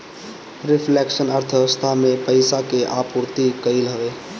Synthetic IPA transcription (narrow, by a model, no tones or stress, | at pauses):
ɾɪpʰleksənəɾt̪ʰəst̪ʰamẽpəɪsakeʔapuɾt̪ikəɪlɦəʋeː